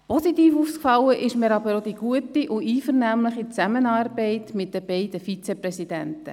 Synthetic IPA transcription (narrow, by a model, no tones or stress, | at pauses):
pɔsitiːfufskfɑlːəʔɪʃmɛɾɑbəɾod̥̪iɡ̥uətiʔʊʔiːfəɾnæmləχit͡sæmənɑːɾbɛɪtmɪt̚dəb̥ɛɪdəfit͡sɛprɛsid̥̪æ̰ntə̰